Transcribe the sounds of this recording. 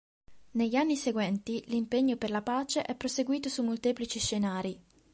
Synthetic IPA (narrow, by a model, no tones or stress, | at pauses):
neʎːanːiseɡwɛnt̪ilimpeɲːoperlapaːt͡ʃeʔɛpːɾoseɡwiːt̪osumːolt̪eːplit͡ʃiʃːenaːɾi